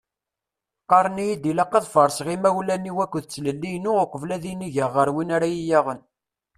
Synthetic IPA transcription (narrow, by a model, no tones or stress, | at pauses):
qɑɾˤənijid̪ilɑqːəðˤfəɾˤsʁimæwlænːiwækʷːðt͡sːləlːijnuəqəvlæðiniʝəʁːəɾwinaɾæjijæʁən